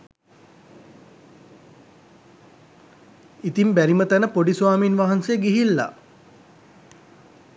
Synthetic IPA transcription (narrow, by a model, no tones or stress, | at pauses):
it̪imbæɾimət̪ænəpoɖisʋaːminʋaɦansejəɡiɦilːa̰